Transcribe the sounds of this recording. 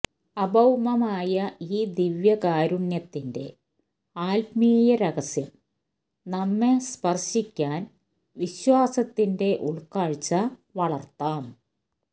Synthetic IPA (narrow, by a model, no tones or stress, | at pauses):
ɐbɐwmɐmaːjɐiːd̪iʋjɐkaːɾuɳjɐt̪ːinde̞̰ | aːlpmiːjɐɾɐɣɐsjɐm | nɐmːespɐrɕikʲːaːn | ʋiɕwaːsɐt̪ːinde̞ʔuɭkaːɻt͡ɕːɐʋɐɭɐrt̪ːaːm